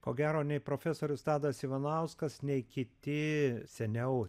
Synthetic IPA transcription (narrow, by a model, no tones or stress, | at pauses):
koːɡʲæːɾoːnʲɛɪpɾoːfʲæsoːɾʲʊst̪ɑːd̪ɐsiʋɐnɐʊskɐsnʲɛɪkʲɪt̪ʲɪsʲɛnʲɛʊ